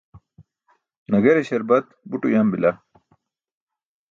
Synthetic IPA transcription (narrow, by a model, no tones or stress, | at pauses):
nɐɡɐɾeɕɐɾbɐt̪̚buʈṵjambila